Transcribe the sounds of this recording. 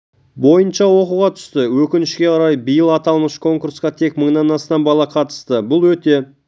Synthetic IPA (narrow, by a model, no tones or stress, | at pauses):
bo̞jənʃɑwo̞quʁɑt̪ʰʏ̥st̪ɪwɵkʲɪnɪʃkʲe̞qʰɑɾɑjbijəlˠɑt̪ɑlˠməʃkʰo̞ŋkuɾsqɑt̪ʰe̞kməɴnɑnɑst̪ɑmbɑlˠɑqʰɑt̪ə̥st̪əbʊlˠwɵt̪e̞